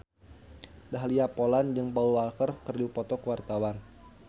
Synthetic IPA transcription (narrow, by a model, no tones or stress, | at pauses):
daɦliapoland͡ʒəŋpaulalkərkərdupɔt̪ɔkəwart̪awan